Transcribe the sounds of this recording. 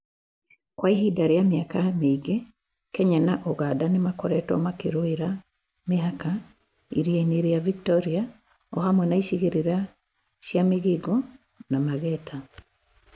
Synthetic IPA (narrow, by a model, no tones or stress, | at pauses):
kwaihidaɾijamiakamiːɡe | kɛɲanaʔoɣaːdanemakɔɾɛtɔ̰makiɾoiɾa | meɦaka | ḭɾijeneɾejaviktɔɾia | ɔhamwɛnaiʃiɣiɾiɾa | ʃjamiɣiɡɔ | namaɣɛtʰa